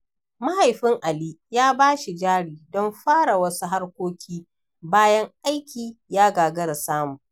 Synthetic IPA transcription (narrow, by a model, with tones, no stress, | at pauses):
ma˦ha˨jɸɪ˦ŋʔa˨liː˦jaː˦baː˦ʃi˨d͡ʒaː˦ɽiː˨dɔ˦mɸaː˦ɽa˨wɐ˦su˦ɦa˦rkʷoː˦kʲʰiː˦ | baː˦jɐ˦ŋʔa˦jkʲiː˨jaː˦ɡaː˨ɡɐ˦ɾa˨saː˦mʊ˨ŋ